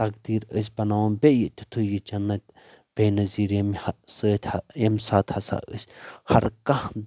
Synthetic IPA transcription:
t̪ɐkd̪iːɾəs̬ʲbɐnawɐnbejit̪ʲi̥t̪ʰujit͡ʃɐnːɐt̪̚ʲ | b̥eːnɐziːɾjɐmhsəːt̪ʲʰjɐmsaːt̪hɐsa̰ːʔə̰sʲhɐɾkɐ

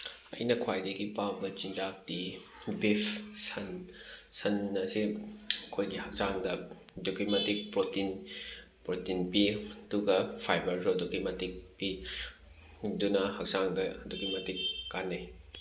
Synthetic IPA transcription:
ɐ̰jnɐkʰwajdeɡipabɐt͡ʃind͡ʒak̚ti | bipʰsɐnsɐnːɐsikʰojɡihɐk̚saŋdɐ | dokimatik̚pɾotin | pɾotinpiɐd̥uɡɐpʰajbɐɾzodokimatik̚pi | dunɐhɐk̚saŋdɐːdukimatikːanɐj

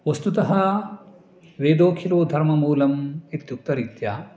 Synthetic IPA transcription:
ʋɐst̪ut̪ɐɦɐ | ʋeːd̪oːkʰiloːd̪ʱɐɾmɐmuːlɐmit̪juk̚t̪ɐɾit̪ja

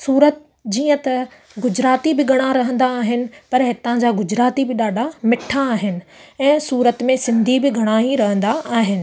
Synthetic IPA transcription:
suːɾət̪ | d͡ʑiːə̃t̪ɐ | ɡʊd͡ʑɾaːt̪ibɪɡʱɐɽ̃aɾɐɦə̃nd̪aːɦɪnɪ̆pɐɾɦɪt̪ãd͡ʑaːɡʊd͡ʑɾaːt̪ibɪɗaːɖʱamɪʈʰaːɦɪnɪ̆ɛ̃ːsuːɾət̪mẽsɪ̃nd̪ʱibɪɡʱɐɽ̃aːiɾɐɦə̃nd̪aaːɦɪnɪ̆

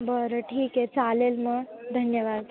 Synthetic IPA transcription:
bəɾəʈʰiːkɦet͡salelməd̪ʱənjəʋad̪

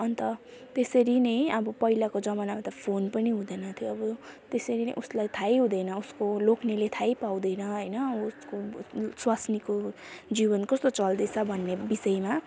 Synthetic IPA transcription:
ʌnt̪ʌ | t̪esʌɾinʌjʌbʌpʌilakod͡zʌmanamat̪ʌpʰonpʌniɦũd̪ʌjnʌt̪ʰjoʌbʌt̪esʌɾinḛʔuslajt̪ʰajɦũd̪ʌjnʌuskolokʰnelet̪ʰajpawd̪ʌjnʌɦʌjnʌuskoswasniko | d͡zibʌnkʌst̪ot͡sʌld̪ʌt͡sʰʌbʱʌnːebisʌjma

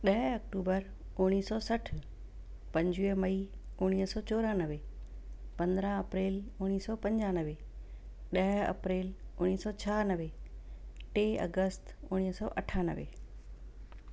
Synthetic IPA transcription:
ɗɐɦɐk̚ʈuːbəɾ | ʊɽ̃iːsɔːsɐʈʰ | pɐ̃ɲd͡ʑuemɐiʊɽ̃iːɦsɔːt͡ɕoːɾãnəʋe | pɐ̃nd̪ɾaɐpɾeːlʊɽ̃iːsɔːpɐ̃ɲd͡ʑãːnəʋe | ɗɐɦɐ̰pɾeːlʊɽ̃iːsɔːt͡ɕʰaːnəʋe | ʈeːɐ̰ɡəst̪ʊɽ̃iːɦsɔ̰ːʔɐʈʰaːnə̰ʋḛː

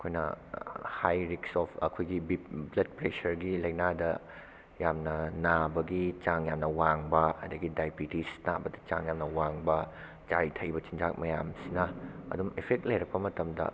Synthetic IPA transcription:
ɐkʰojnɐ̰hajɾiksɔpʰɐ̰kʰojɡibiblet̚pɾesɐɾɡilɐjnadɐ | jamnɐnabɐɡit͡ʃaŋjamnɐwaŋbɐɐdɐɡidajbitisnabɐdɐt͡ʃa̰ŋjamnɐwaŋbɐ | t͡ʃajtʰɐjbɐt͡ʃind͡ʒak̚mɐjamsinɐɐ̰dumepʰek̚t̚lɐjɾɐk̚pɐmɐtɐmdɐ̰

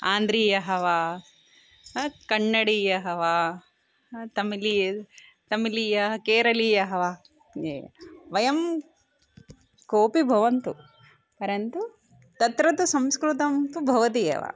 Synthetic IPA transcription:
aːnd̪ɾiːjɐɦɐʋaː | kɐɳːɐɽiːjɐɦɐʋaː | t̪ɐmilijɐt̪ɐmilijɐɦɐkeːɾɐliːjɐɦɐʋaː | eʋɐjɐm | koːpibʱɐʋɐnt̪u | pɐɾɐnt̪u | t̪ɐt̪ɾɐt̪usɐ̃mskɾut̪ɐmt̪ubʱɐʋɐt̪ijɐ̰ʋa̰

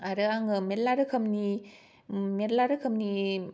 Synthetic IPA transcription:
aɾɯaŋɯmeɾlaɾɯkʰɐmni | meɾlaɾɯkʰɐmni

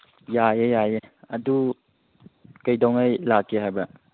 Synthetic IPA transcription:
jajejajeɐdu | kɐjdɔwŋejlakʰːeɦajba

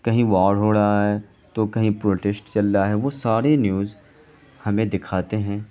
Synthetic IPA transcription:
kɐɦĩʋaːɽɦoːɽaɦɛː | t̪okɐɦĩpɾoːʈɛsʈt͡ʃɐlːaɦɛʋosaːɾenjuːz | hɐmẽd̪ɪkʰaːt̪eɦɛ̃ː

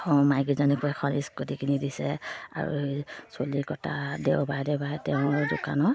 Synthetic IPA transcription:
ɔmajɡizɔnikuɛkʰɔniskotikʰinidisɛa̰ɹṵsolikɔta̰dɛwbajdɛwbajɛtɛʊ̃duka̰nɔ

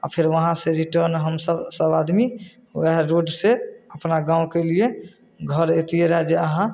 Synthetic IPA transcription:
a̰pʰeɾʋəɦãseɾiʈəɾnɦəmsəbsəbad̪mi | ʋɛɦɾoɖseəpnaɡãũkelie | ɡʱəɾet̪ieɾəɦɛd͡ʒeəɦã

